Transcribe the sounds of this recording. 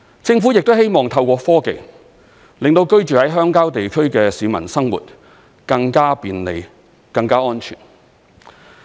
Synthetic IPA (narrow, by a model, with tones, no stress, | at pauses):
t͡sɪ˧ŋfuː˨˥jɪ˨k̚t̪o˥whe˥jmɔː˨ŋt̪ʰɐ˧wkʷɔː˧fɔː˥kḛ˨˧j | lɪ˨ŋt̪o˧wkɵ˥ɥt͡ʃyː˨hɐ˨˥jɦœː˥ŋkaː˥wt̪e˨jkʰɵ˥ɥkɛː˧siː˨˧mɐ˨˩nsɐ˥ŋwṵː˨t̚ | kɐ˧ŋkaː˥piː˨˧nle˨˧j | kɐ˧ŋkaː˥ɔː˥nt͡ʃʰy̰ː˨˩n